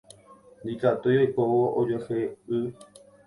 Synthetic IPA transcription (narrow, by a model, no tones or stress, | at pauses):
nd̪ikat̪ujojkoʋoʔod͡ʒoheɨ